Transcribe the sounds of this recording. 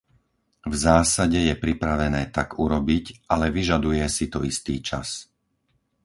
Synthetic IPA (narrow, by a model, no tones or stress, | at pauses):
vzaːsaɟɛjɛpɾipɾaʋɛnɛːt̪aɡuɾɔbicʔalɛʋiʒad̪ujɛsit̪ɔist̪iːt͡ʃa̰s